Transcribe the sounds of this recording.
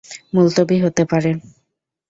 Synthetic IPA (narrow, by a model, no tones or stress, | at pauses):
mult̪obiɦot̪epaɾe